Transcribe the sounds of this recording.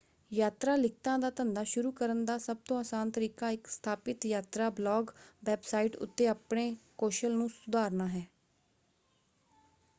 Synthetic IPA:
jaːt̪ɾaːlɪk̚ʰt̪ãːd̪aːt̪ənd̪aːʃʊɾuːkəɾənd̪aːsəb̚t̪õːaːsaːnt̪əɾiːkaːɪkst̪ʰaːpɪt̪jaːt̪ɾaːblɔːɡʋɛːbsaːiʈʊ̰t̪ːeːaːpɳeːkoːʃəlnũːsʊd̪aːɾnaːɦɛː

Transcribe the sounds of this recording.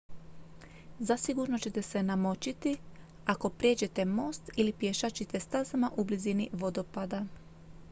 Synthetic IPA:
zasiɡuɾno̞t͡ɕe̞t̪e̞se̞namo̞t͡ɕit̪i | ako̞pɾje̞d͡ʑe̞t̪e̞mo̞ːst̪ilipjeʃat͡ɕit̪e̞st̪azamaʔubliziniʋo̞d̪o̞pad̪a

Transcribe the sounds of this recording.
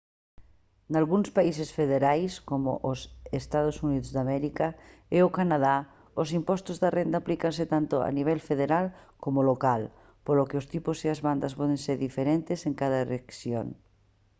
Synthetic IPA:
nalɣuŋspaisesfeðeɾajskomʊ̰ʔʊsest̪aðosuniðʊzðamɛɾikaeʊkanaða | ʊsimpɔst̪ʊzðarend̪aːplikansɪt̪ant̪ʊa̰niβ̞ɛlfeðeɾalkomolokal | polokɪʊst̪ipʊsiazβand̪ɐspɔð̞eŋseɾðifeɾent̪eseŋkaðɐeleksjo̰ŋ

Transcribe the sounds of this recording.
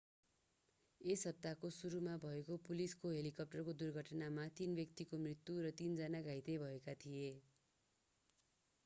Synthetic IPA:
esʌb̚t̪akosuɾumabʱʌekopuliskoɦelikʌp̚ʈʌrkod̪urɡʱʌʈnamat̪inbjʌk̚t̪ikomrit̪ːjuɾʌt̪ind͡zanaɡʱajt̪ʌjbʱʌekat̪ʰije

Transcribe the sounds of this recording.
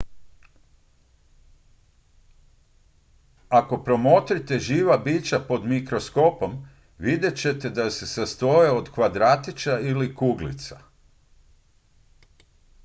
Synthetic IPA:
ako̞pɾo̞mot̪ɾit̪e̞ʒiːʋabiːt͡ɕapo̞d̪mikɾosko̞po̞m | ʋid̪je̞t͡ɕe̞t̪e̞d̪ase̞sast̪o̞jeod̪kʋad̪ɾat̪it͡ʃailikuːɡlḭt̪sa

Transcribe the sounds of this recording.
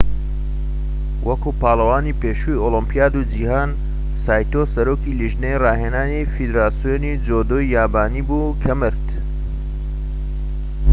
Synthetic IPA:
wʔɐkuːpaːlˠɐwaːnipeːʃujolimpijaːd̪ud͡ʒihaːn | saːjt̪osɐɾoːkiliʒnejraːɦeːnaːnifid̪ɾaːsijonid͡ʒoːd̪oːjaːbaːniːbuːkʰɐmɨɾt̪

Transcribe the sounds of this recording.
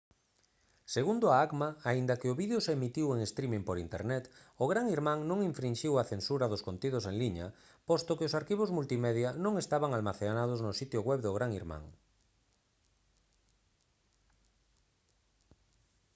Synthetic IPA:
seɣund̪ʊaakmaaind̪ɐkɪʊβiðeoseemit̪iweŋest̪ɾimĩŋpoɾint̪ḛɾnɛt̪ʊɣɾaŋiɾmãŋnõŋiɱfɾinʲʃiwaθensuɾaðʊskont̪iðʊseŋliɲa̰ | post̪okɪʊsaɾkiβ̞ozmult̪imeðjanõŋest̪aβaŋalmaθenað̞oznʊsit̪jʊɣwɛβðʊɣɾaŋiɾmã̰ŋ

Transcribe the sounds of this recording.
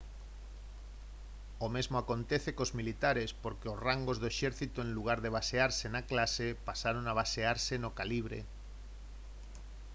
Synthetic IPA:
omezmoakont̪eθekozmilit̪aɾespoɾkeosraŋɡozðoeʃɛɾθit̪oẽŋluɣ̞aɾðeβ̞aseaɾsenaklasepasaɾoŋaβ̞aseaɾsenokaliβ̞ɾḛ

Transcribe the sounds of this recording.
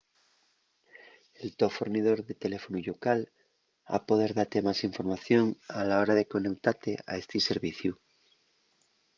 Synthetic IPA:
elt̪ofoɾnið̞o̞ɾðet̪e̞le̞fonuʎokal | a̰po̞ð̞e̞ɾðaɾt̪e̞masiɱfo̞ɾmaθjo̞ŋalao̞ɾaðe̞ko̞ne̞kt̪aɾt̪ea̰est̪iseɾβiθju

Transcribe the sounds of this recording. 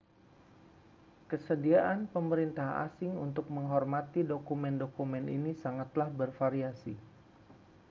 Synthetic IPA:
kəsədiaʔanpəməɾint̪aɦa̰sɪŋunt̪ʊk̚məŋɦɔrmat̪idokumɛndokumɛnḭnisaŋat̪lahbərfaɾiasi

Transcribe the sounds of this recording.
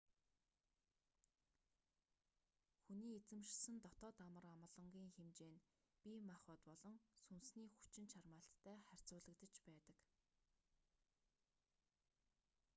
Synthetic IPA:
xuniːet͡sɘ̆mʃsə̆nt̪ɔt̪ɔːt̪amə̆ramə̆ɮɞ̆ŋɡʲiːŋxemt͡ɕeːn | pʲiːmaχʊ̆ːt̪pɔɮɞ̆ŋsunsniːxu̥t͡ɕɪ̆nt͡ɕʰarmaːɬt̪ʰːæːχær̥ʲt͡sʊːɮə̆kt̪ə̆t͡ɕpæːt̪ə̆k

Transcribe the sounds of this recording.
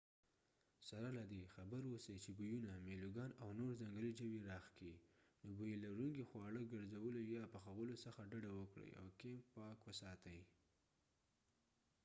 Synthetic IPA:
saɾalad̪exabəɾwosajt͡ʃebujunameluɡɑnawnoɾzaŋɡəlid͡ʒəwiɾɑxkid̪əbujelaɾuŋɡixwɑɽəɡəɾzawəlojɑpaxawəlosəxaɖaɖawəkɽə̰ja̰wkempɑkwəsɑt̪aji

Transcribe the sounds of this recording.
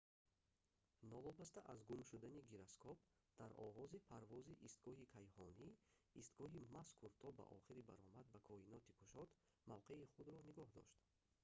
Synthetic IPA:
nɔvɔbast̪aʔazɡumʃud̪aniɡiɾaskʰɔpd̪̥aɾɔ̰ʁɔzipʰaɾvɔziʔist̪ɡɔɦikʰajhɔniːst̪ɡɔɦimaskʰuɾt̪ʰɔba̰ʔɔ̰χiɾiba̰ɾɔmad̪̚bakʰɔhinɔt̪ikʰuʃɔt̪ | mavqe̞iχud̪ɾɔniɡɔhd̪ɔ̰ʃt̪

